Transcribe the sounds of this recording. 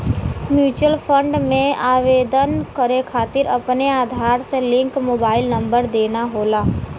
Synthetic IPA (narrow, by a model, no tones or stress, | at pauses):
mjuːt͡ʃəlpʰə̃ɳɖmẽaːʋeːd̪ənkəɾekʰaːt̪ɪɾɐpneaːd̪ʱaːɾselɪ̃ŋkmoːbaːɪlnɐ̃mbəɾd̪eːnaɦoːlaː